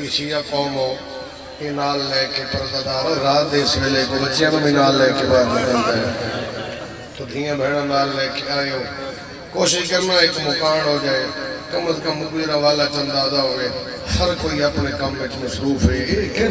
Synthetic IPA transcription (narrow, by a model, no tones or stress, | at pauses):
ɪʃiːjaːkoːmɦoː | eːnaːlːɛːkepəɾd̪ad̪aːɾaːd̪eːsʋeːleːkobət͡ʃjãːmːmiːnaːlːɛːkebaːɾd̪ətand̪ao | t̪oːd̪ʱĩːãːbʱeːɽ̃ãːnaːlːɛːkeaːeoː | koːʃɪʃkəɾnaːɪkmʊkaːɳɦoːd͡ʒaːeːkəmət̪kəmʊbiɾaːʋaːlaːt͡ʃənd̪aːd̪aːɦoeː | həɾkoːiːəpneːkəmʋɪt͡ʃməsɾuːpʰɦeːk